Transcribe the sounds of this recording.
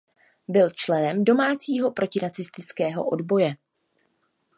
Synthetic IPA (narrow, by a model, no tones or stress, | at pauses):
bɪlt͡ʃlɛnɛmdo̞maːt͡siːɦo̞pɾo̞cɪnat͡sɪst̪ɪt͡skɛːɦo̞̰ʔo̞dbo̞jɛ